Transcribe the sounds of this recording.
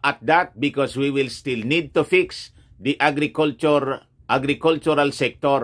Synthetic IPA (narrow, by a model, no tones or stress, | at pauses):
ʔat̪̚d̪at̪̚bɪkɔswiwilst̪ilnid̪̚t̪ufiks | d̪iʔaɡɾikult͡ʃuɾ | ʔaɡɾikult͡ʃuɾalsɛk̚t̪ɔɾ